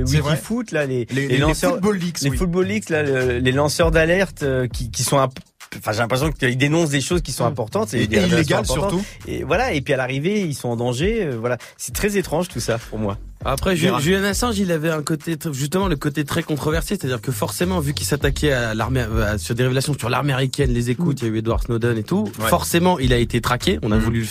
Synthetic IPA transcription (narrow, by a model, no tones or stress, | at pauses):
wwikifut̪lalelel̃st̪̚bolːiksleifut̪̚bolikslaləlelɑ̃sœʁd̪alɛʁt̪økʲikʲisɔ̃ɛ̃p | ɑ̃fɛ̃ʒelɛ̃pχesjɔ̃kəild̪enɔ̃s̬d̪eʃozkʲisɔ̃ɛ̃pɔʁt̪ɑ̃t̪ed̪eeileaeɡaɛlɔstʁ̃t̪uḛvwalaepɥialaʁiveilsɔ̃ɑ̃d̪ɑ̃ʒeøvwala | sɛ̥t̪χɛzet̪χɑ̃ʒt̪usapuʁmwa̰ | apχɛʒyʒyljanasɑ̃ʒilavɛɛ̃kot̪eʒys̬t̪əmɑ̃ləkot̪et̪χɛkɔ̃t̪χɔvɛʁsese̥t̪ad̪iʁkəfɔʁsemɑ̃vykʲilsat̪akʲɛala̰ʁmeasyʁd̪eʁevelasjɔ̃syʁla̰ʁmeʁikʲɛnlezekut̪jayed̪waʁsnod̪ɔnet̪ufɔʁsemɑ̃ilaet̪et̪χakʲeɔ̃navuly